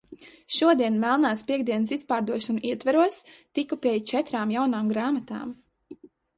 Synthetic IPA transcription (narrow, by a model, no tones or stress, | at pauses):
ʃuɔd̪iɛnmɛlˠnaːspʲiɛɡd̪iɛnsispaːɾd̪uɔʃɔnuʔiɛt̪vaɾuɔst̪ikːupʲiɛjt͡ʃɛt̪ɾaːmjawnaːmɡɾaːmat̪a̰ːm